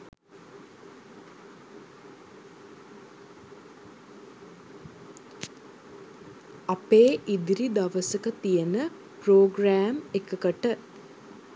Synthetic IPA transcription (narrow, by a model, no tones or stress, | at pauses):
apeːʔid̪iɾid̪aʋəsəkət̪ijənə | proːɡɾaːmekəkəʈə